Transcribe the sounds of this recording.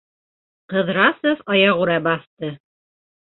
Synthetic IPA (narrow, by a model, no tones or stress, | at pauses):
qɤ̆ðɾɑsofɑjɑʁuɾɑbɑθt̪ɤ